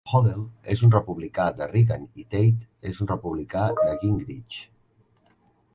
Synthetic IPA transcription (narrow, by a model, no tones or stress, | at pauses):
xoðelezunrəpuβlikad̪əriɣənit̪ejt̪ezunrəpuβlikad̪əkiŋɡɾit͡ʃ